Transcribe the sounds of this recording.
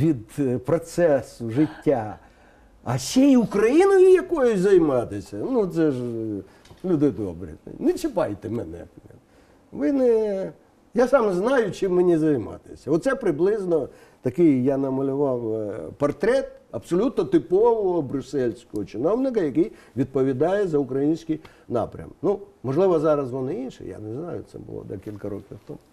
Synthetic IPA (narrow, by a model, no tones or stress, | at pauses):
ʋʲid̪pɾɔt̪sɛsʊʐɪtʲːa | ɐsʲejukɾɐjinɔjʊjɐkɔjʊzɐjmɑt̪ɪsʲɐnut̪sɛʒ | lʲud̪ɪd̪ɔ̰bɾɪ̰nɛt͡ʃɪpɑjt̪ɛmɛnɛ̰ | ʋɪnɛ | jasɑmznɑjʊt͡ʃɪmːɪnʲizɐjmɑ̰t̪ɪ̥̰sʲɐɔt̪sɛpɾɪblˠɪznɔ | t̪ɐkɪjjanɐmɐlʲʊʋɑwpɐrt̪ɾɛt̪ɐbsɔlʲut̪nɔt̪ɪpɔʋɔɦɔbɾʲʊsɛlʲsʲkɔɦɔt͡ʃɪnɔwnɪkɐjɐkɪj | ʋʲid̪̚pɔʋʲid̪ɑjɛzɐʊkɾɐjinʲsʲkɪj | nɑ̰pɾʲɐ̰mnumɔʒlˠɪʋɔzɑɾɐzʋɔnɪinʃɪ̰ja̰nɛznɑjʊ̰t̪sɛ̰bʊ̰lˠɔ̰d̪ɐkʲilʲkɐɾɔkʲiwt̪ɔ̰mʊ